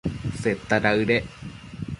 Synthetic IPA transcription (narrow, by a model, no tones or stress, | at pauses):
set̪ːaɾaɯɾe